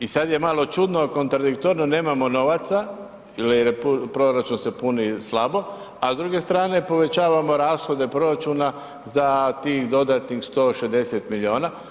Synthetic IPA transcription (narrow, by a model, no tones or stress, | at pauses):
isad̪je̞malˠo̞t͡ʃud̪noako̞nt̪ɾad̪ik̚t̪oɾnone̞ːmamo̞no̞ʋat̪sa | iliɾpupɾo̞ɾat͡ʃunse̞punislˠabo̞ | azd̪ɾuːɡe̞st̪ɾaːne̞po̞ʋe̞t͡ɕaːʋamo̞ɾaːsxo̞d̪e̞pɾo̞ɾat͡ʃuna | zat̪iːxd̪o̞d̪at̪nixst̪o̞ːʃezd̪e̞se̞t̪milʲio̞ːna